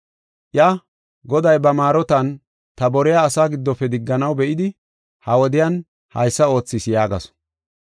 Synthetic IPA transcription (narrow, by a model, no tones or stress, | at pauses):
ʔjɐ | ɡɔd̪ɐjbɐmaːɾɔt̪ɐn | t̪ɐbɔɾɪjaːsaːɡɪd̪ːɔpɛd̪ɪɡːɐnɐwbɛʔɪd̪ɪ | hɐwɔd̪ɪjɐn | hɐ̰jsːɐo̞ːt͡sːɪsjaːɡɐsɔ̥